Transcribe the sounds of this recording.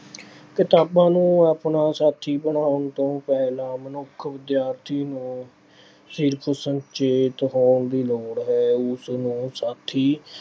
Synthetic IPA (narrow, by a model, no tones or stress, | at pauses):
kɪt̪aːbãːnũːaːpnaːsaːt̪ʰiːbəɳaːʊnt̪õːpɛːlãːmənʊkʰʋɪd̪jaːɾt̪ʰiːnũː | sɪɾkʰsəɲt͡ʃeːt̪ɦoːɳd̪iːloːɽɦɛːʊsnũːsaːt̪ʰiː